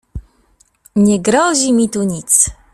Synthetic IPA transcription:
ɲɛɡɾɔʑimʲit̪uɲit̪s

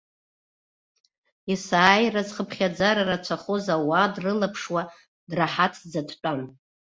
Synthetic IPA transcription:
isaːjrazχəpʰχʲad͡zaɾarat͡ʃʷʰaχozawadrɨlapʰʂwa | draħatʰd͡zatʰt͡pʷʼan

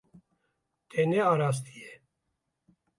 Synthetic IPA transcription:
t̪ʰenɛaːɾaːs̬t̪ije

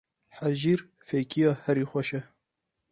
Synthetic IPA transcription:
ħaʒiːɾ | fejkʰijɑːhɛɾiːxʷɐʃɛ

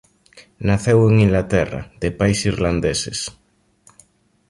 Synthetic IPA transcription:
naθeweŋiŋɡlat̪ɛra̰ðepajsirland̪esḛs

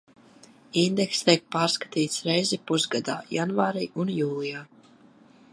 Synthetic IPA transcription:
ind̪ɛkst̪iɛk̚paːɾskḁt̪iːt̪sɾɛjzipuzɡad̪aːjanvaːɾiːʔunjuːlˠijaː

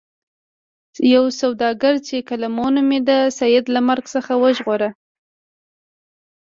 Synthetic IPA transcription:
jawsawd̪ɑɡaɾt͡ʃekalamonomed̪əsajɪd̪lamaɾɡsəxawəʒɣoɾa

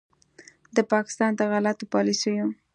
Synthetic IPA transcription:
d̪əpɑkɪ̥st̪ɑnd̪əɣalat̪opɑlisəjo

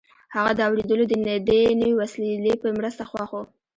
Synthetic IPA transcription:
haɣad̪əawɽed̪əlod̪ənɪd̪enəwewasllepəmɾəst̪axwɑxo

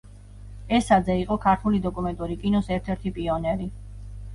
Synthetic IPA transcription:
ɛsad̪zɛiqʼɔkʰaɾt̪ʰulid̪ɔkʼumɛnt̪ʼuɾikʼinɔsɛɾt̪ʰɛɾt̪ʰipʼiɔnɛɾi

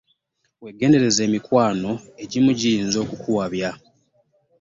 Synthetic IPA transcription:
we̞ɡe̞ːnde̞ɾe̞ze̞ːmikwaːno̞e̞ɟimuɟijiːnzo̞ːkukʰuwaβja

